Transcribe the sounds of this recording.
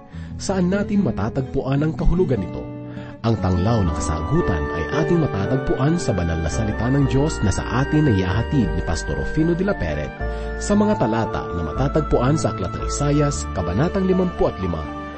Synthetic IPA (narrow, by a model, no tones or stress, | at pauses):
sɐʔanːaːt̪ɪŋmɐt̪aːt̪ɐɡ̚pʊʔanɐŋkɐhʊlʊɡɐnːɪt̪o̞̰ | ʔɐŋt̪ɐŋlawnɐŋkɐsa̰ːɡuːt̪ɐ̰nʔɐ̰jʔaːt̪ɪŋmɐt̪aːt̪ɐɡ̚pʊʔansɐbɐnalnɐsɐlɪt̪anɐŋd̪jo̞snɐsɐ̰ʔaːt̪ɪŋnɐɪja̰ːɦɐt̪id̪̚nipɐst̪o̰ɾʔo̰finod̪ɪlɐpɛ̰ɾɛ̰t̪ | sɐmɐŋat̪ɐlaːt̪ɐ̰ʔnɐmɐ̰t̪aːt̪ɐɡ̚pʊʔansɐʔɐklɐt̪ɐ̰ʔḭsaːjɐskɐbɐnaːt̪ɐŋlɪmɐmpoʔɐt̪lɪma̰